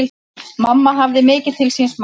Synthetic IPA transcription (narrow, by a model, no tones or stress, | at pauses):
l | mamːaɦavðɪmɪːcɪ̥t̪ʰɪlsinsm